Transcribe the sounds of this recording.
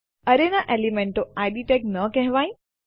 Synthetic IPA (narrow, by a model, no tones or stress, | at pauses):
ɐɾenaʔeːlimẽɳʈoaːɪɖiʈeknəkɛɦɪʋaːĩ